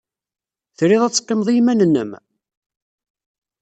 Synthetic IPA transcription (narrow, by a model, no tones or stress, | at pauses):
θɾiðˤæt͡sːqːemðˤijmænənːə̰m